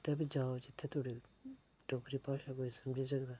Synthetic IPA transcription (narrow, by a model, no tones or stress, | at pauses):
t̪əbd͡ʒaːod͡ʒɪt̪ʰːet̪ʰoːɽi | ɖɔːkɾipaːʃakoːisəmd͡ʒis̬əɡd̪aː